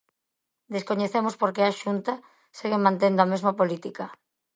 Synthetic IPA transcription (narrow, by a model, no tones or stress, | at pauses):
d̪eskoɲeθemoʊspoɾkeaʃunt̪a | seɣemãnt̪̬end̪oamezmɐpolit̪ikɐ